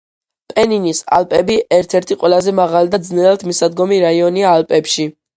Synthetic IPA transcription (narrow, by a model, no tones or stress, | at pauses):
pʼɛninisa̰lpʼɛbiʔɛɾt̪ʰɛɾt̪ʰiqʼwɛlˠazɛmaʁalid̪ad̪znɛlɛlt̪ʰmisad̪ɡɔmiɾaiɔniaːlˠpʼɛpʃi